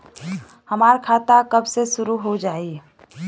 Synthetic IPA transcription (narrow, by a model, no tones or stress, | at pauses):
həmaːɾkʰaːt̪akəbsesʊɾuɦod͡ʒaːi